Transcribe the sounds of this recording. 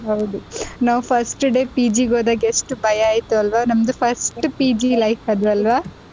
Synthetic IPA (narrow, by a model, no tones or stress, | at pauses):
ɦɐwd̪unaːʋupʰɐɾsʈɖe̞ːpiːd͡ʒiːɡoːd̪aːɡeʂʈubʱɐjɐaːjt̪uɐlʋaːnɐmd̪upʰɐɾsʈpiːd͡ʒilɐjfɐd̪ɾuɐlʋaː